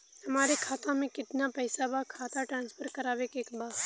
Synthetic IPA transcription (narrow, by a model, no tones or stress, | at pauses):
hɐmaːɾekʰaːt̪ãmẽkɪt̪napɛjsabakʰaːt̪aʈɾãːnspʰəɾkɐɾaːʋekeːkbaː